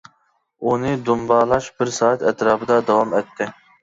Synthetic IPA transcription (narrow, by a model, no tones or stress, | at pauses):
uniːd̪umbɑːlaʃbɨɾsaːt̪ɛt̪ɾaːbd̪aːd̪ɐwaːmɛt̪ːe